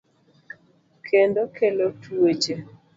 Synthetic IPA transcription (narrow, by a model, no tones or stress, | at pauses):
kʰendokelotʰuet͡ʃe